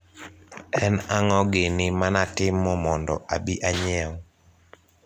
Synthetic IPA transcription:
ɛnaŋɔɡɪnɪmanatɪmːɔmɔndɔ̰ʔabiʔaɲɛw

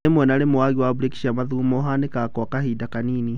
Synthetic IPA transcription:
emwɛnaɾemoaɣiwabuɾeki̥ʃamaðumoɦanekakɔkahidakaniːni

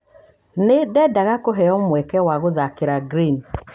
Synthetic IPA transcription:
nedɛdaɣakoɦɛɔmwɛkɛwaɣoðakeɾaɡɾin

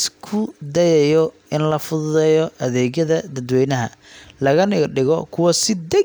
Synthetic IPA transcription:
skʰʊd̪ɐjɛjɔ | ɪnlɐfʊðʊðɛjɔʔɐðɛːɣjɐðɐd̪ɐd̪wɛjnɐɦɐlɐɣɐnɪɡɖɪɣɔkʰʊwɐsɪd̪ɛ

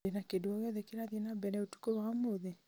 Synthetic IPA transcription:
enakedoɔjɔðɛkeɾaðienabɛnɛotu̥koβaamoðe

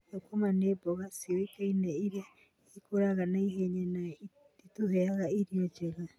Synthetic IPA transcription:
ekomaneːbɔɣasiɾikainɛiɾe | ikoɾaɣanaiɦeɲɛna | ituhɛaɣaiɾiɔt͡ʃɛɣa

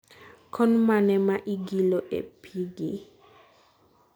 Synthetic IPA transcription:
kʰɔnmanɛmaʔiɡilɔʔɛ̰pʰiɡe

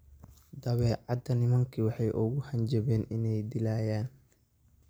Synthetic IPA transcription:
d̪ɐβɛːʕɑd̪ɐnɪmɐŋkʰiwɑħɑjʔʊɣʊhɐnd͡ʒɐβɛːnɪnɛjd̪ɪlaːjaːn

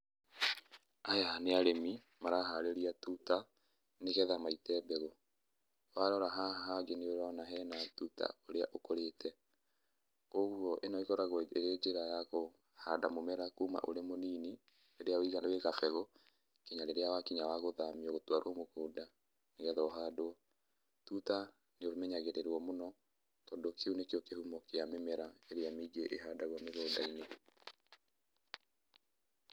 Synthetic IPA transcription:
ajaneaɾemi | maɾaɦaɾeɾiatuta | neɣɛðamaitɛːbeɣo | waɾɔɾaɦaɦad͡ʒeneoɾanaɦɛːnatuta̰oɾea̰ʔokoɾeːtɛ | oɣwɔʔenɔiɣɔɾaɣoeɾed͡ʒeɾajaɣo | hadamomɛɾakuːma̰ʔoɾemoniːni | eɾeawiɣanaweɣafɛɣɔ | kiɲaɾeɾeawakiɲawaɣoðamiɔɣotwaɾwɔmokoːda | neɣɛðɔɔɦaːdoɔ | tuta | neomɛɲaɣeɾeɾwɔmonɔ | tɔdokʰeunekeɔkehumɔkeamemɛɾaeɾeamiɡeʔeɦadaɣwameðoːdaine

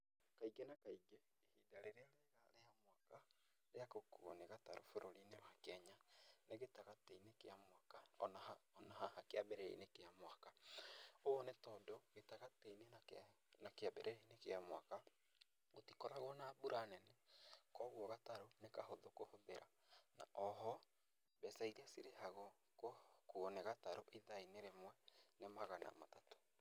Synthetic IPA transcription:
kaiɡenakaiɡeːhidaɾeɾeaɾeɣaɾeamwaka | ɾeakokuo̰neɣataɾo̰foɾʔoɾineβakɛɲaneɣetaɣateinekeamwakaɔnahaɔnahahakeabɛɾɛḭnekeamwaka | oɔnetɔdɔɣetaɣateinena | nakeabɛɾʔɛeinekeamwaka | otikɔɾaɣɔnaːbuɾanɛnekɔɣwɔɣataɾonekahoðokohoðeɾʔa | na̰ʔɔɦɔ | bɛsaiɾeasiɾehaɣɔ | kokoɔneɣataɾoʔiðaineɾemwɛnemaɣana̰ma̰tato̥

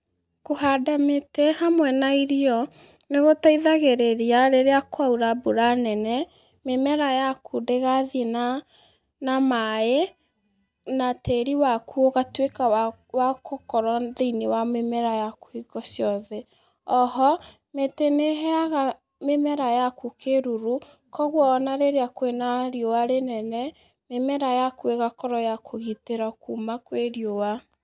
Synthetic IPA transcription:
kohadametehamwɛnaiɾiɔ | neɣotaiðaɣeɾeɾiaɾeɾeakwauɾaboɾanɛnɛ | memɛɾajakudeɣaðina | namae | nateɾiwakuoɣatweka | wakokɔɾaðeinewamemɛɾajakwiɣɔsjɔðɛ | ɔhɔ | meteneɦɛaɣa | memɛɾajakukeɾuɾu | kɔɣwɔːnaɾeɾeakwenaɾjowaɾenɛnɛ | memɛɾajakueɣakɔɾɔjakʰoɣiteɾakumakweɾjowa

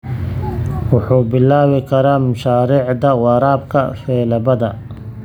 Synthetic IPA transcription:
wʊħuːbɪlaːwɪkʰɐɾaːmʊʃaːɾɪʕd̪ɐwɑɾaːb̚kʰɐ̰fɛːlɐbɐd̪ɐ

